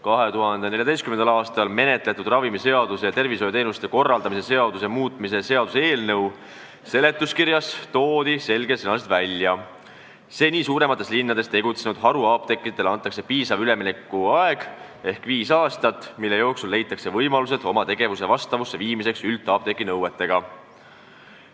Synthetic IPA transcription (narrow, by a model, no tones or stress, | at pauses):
kɑɦe̞t̪uɦɑnd̪̥e̞neljɑd̪estkymend̪ɑlɑːst̪ɑlme̞ne̞t̪le̞t̪ːˑud̪rɑvimise̞ɑd̪̥use̞jɑt̪e̞rvisojot̪e̞ːnust̪e̞ko̞rːɑld̪ɑmise̞se̞ɑd̪use̞muːt̪ˑmisese̞ɑd̪use̞ːlnɤw | se̞le̞t̪ˑːuskirjɑst̪o̞ːd̪̥ise̞lɡesenɑset̪vælʲjɑ | se̞ːniːsuːɾe̞mɑt̪ːˑe̞slinːɑd̪̥e̞st̪e̞ɡ̥ut̪senud̪̥ɦɑɾuɑːp̚t̪e̞kːˑit̪ːˑe̞lɑnt̪ːˑɑkse̞piːsɑvyle̞minekːˑuɑe̞ɡ̥ | e̞hkviːsɑːst̪ɑt̪ːˑmilːe̞jo̞ːksulːe̞jt̪ːˑɑkse̞vɤjmɑlus̬e̞d̪̥o̞mɑt̪e̞ɡ̥e̞vuse̞vɑst̪ɑvusːe̞viːmise̞ksylt̪ːˑɑːp̚t̪e̞kːˑinɤwe̞t̪ːe̞ɡ̥ɑ